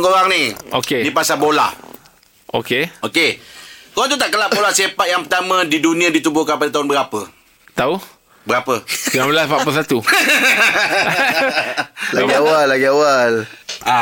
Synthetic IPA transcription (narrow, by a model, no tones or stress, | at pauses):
ŋkoɾaŋnio̰kenipasabola̰h | o̰keokekoɣaŋt̪̬ut̪aʔkəlaʔbolasepat̪̚jaŋpət̪amə̃didunĩãdit̪ubʊhkanpadat̪aɦʊnbəɾapə | t̪au | bəɾapəpiabəlaspaʔpusat̪u | laɡiawallːaɡiawala